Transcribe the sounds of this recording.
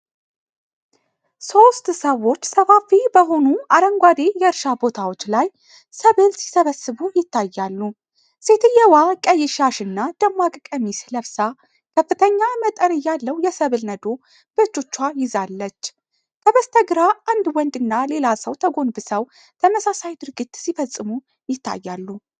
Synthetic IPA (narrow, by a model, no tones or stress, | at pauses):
so̞st̪səwo̞t͡ʃːsəfafibəɦo̞nuaɾəŋɡʷad̪e̞jɛɨɾʃabo̞t̪ʰawo̞t͡ʃːlaj | səβɨlsi̥səβəsɨβujɪt̪ːajːalːu | se̞t̪ʰɨjɛwakʼəjːɪʃaʃɨnːad̪̥əmːakʼkʼəmisləβsa | kʰəfːɨt̪ʰəɲːamət̪ʼənɨjːalːəwjɛsəβɨlnəd̪o̞ | b̥ət͡ʃːo̞t͡ʃːwajɪzalːət͡ʃː | kʰəβəst̪ʰəɡɾaand̪wɔnd̪ɨnːale̞lasəwt̪ʰəɡo̞nbɨsəw | t̪ʰəməsasajd̪ɨɾɡit̪sifəsʼːɨmu | jɪt̪ːa̰jːalːu